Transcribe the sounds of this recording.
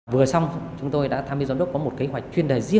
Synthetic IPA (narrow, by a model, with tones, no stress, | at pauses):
vɨ˨˩əsa˧wŋ͡mt͡ɕʊ˨˦ŋ͡mt̪o˧jɗa̰ː˧˥t̪ʰaː˧mi˧znɗə˦˥kɔ˨˦mo˨˩t̚ki˨˦ɦwa˨˩jk̟̚t͡ɕwi˧ənɗəː˨˩jzi˧ə